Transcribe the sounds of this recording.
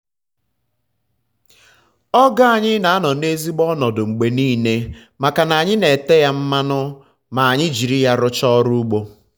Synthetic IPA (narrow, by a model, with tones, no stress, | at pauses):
ɔ˦ɡa˦a˨ɲɪ˦na˨a˦nɔ˨ne˦zi˦ɡ͡bɔ˦nɔ˨dʊ˨ŋ͡m̩˨ɡ͡be˨niː˦˨ne˦ | ma˨ka˨na˨ɲɪ˦ne˨te˦ja˦m̩˦ma˦nʊ˦ | ma˨a˨ɲɪ˦d͡ʒi˨ɾi˦ja˦ɾʊ˦t͡ʃɔ˦ɾu˦u˦ɡ͡bo˦